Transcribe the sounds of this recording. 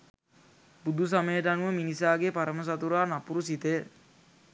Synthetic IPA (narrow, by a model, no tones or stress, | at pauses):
bud̪ʱus̬aməjəʈanuʋəminisaːɡepaɾəməs̬at̪uɾaːnapuɾusit̪ə